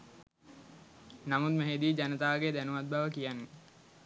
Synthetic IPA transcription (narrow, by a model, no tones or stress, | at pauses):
namut̪meɦed̪iːd͡ʒanət̪aːɡed̪ænuʋat̪̚baʋəkijanːe